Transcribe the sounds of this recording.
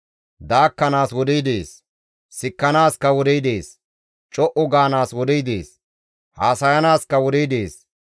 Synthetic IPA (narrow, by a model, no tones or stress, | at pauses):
d̪aːkːɐnaːswɔd̪ijd̪eːs | sɪkːɐnaːskɐwɔd̪ijd̪eːs | t͡ʃʼɔʔʊɡaːnaːswɔd̪ijd̪eːs | haːsɐjɐnaːskɐwɔd̪ijd̪eːs